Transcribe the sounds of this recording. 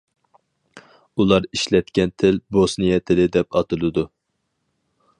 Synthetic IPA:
ulˠɑɾiʃlɛt̪kʲɛnt̪ʰɪlbosnɨjɛt̪ʰɪlɪd̪ɛpɑt̪ɨlˠɨd̪u

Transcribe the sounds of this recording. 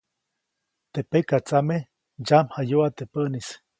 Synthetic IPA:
t̪epekat͡same | d͡ʒamhajoat̪epəʔnis

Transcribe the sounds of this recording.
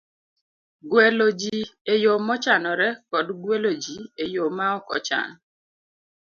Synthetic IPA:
ɡwelod͡ʒiejomɔt͡ʃanɔɾɛkɔdɡwelod͡ʒiejomaɔkɔ̰t͡ʃa̰nɔ

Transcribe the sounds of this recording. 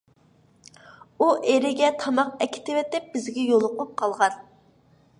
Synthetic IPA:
uʔeɾɪɡʲɛt̪ʰɑmɑqɛkʲʰɪ̥t̪ɪwɪt̪ɪp̚b̥ɪzɡʲɛjolˠʊqʊp̚qʰɑlˠʁɑn

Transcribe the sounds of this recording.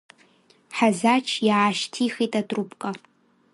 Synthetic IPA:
ħazat͡ʃʰjaʕaʃtʰiχitʼatʼrupʼkʼa

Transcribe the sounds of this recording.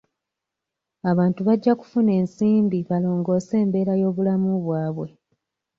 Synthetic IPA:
aβaːntuβaɟːaku̥fune̞ːnsiːmbiβalo̞ːŋɡo̞ːse̞ːmbe̞ːɾajo̞ːβulamuβwaːβwe̞

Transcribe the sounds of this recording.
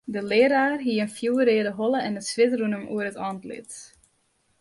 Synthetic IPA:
dəlɪːɾaːrɦiəənfjuːəɾeːədəɦɔləɛnətsʋɪtrunəmʔṵərətɑntlɪ̰t

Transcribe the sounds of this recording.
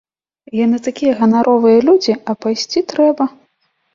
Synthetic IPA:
janɨt̪akʲijɐɣɐnaɾʔɔvɨjɐlʲud͡zʲiɐpajsʲt͡sʲit̪ɾɛbɐ

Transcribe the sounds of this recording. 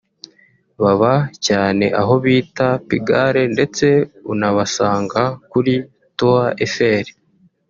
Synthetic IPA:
βaβacaːne̞̰ʔaɦo̞βiːtapiɡaɾe̞nde̞t͡se̞unaβasaːŋɡakuɾi | toaʔefe̞ːɾe̥

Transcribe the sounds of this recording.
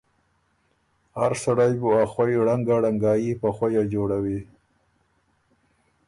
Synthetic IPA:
haɾsaɽajbuaxwajɽaŋɡaɽaŋɡɑjipaxajad͡ʒoɽawi

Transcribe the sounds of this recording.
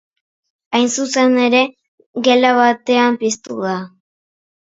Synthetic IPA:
ajnsuse̞ne̞ɾe̞ | ɣe̞laβat̪e̞ampist̪uða

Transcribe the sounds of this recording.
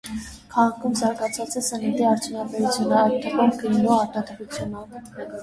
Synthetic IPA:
kʰɑʁɑkʰumzɑɾɡɑt͡sʰɑt͡sɛsənit̪iɑɾt͡sʰjunɑbɛɾut͡sʰjunəɑjt̪ːəpɔɾɡəɾnuɑɾt̪ɑd̪əɾut͡sʰjunə

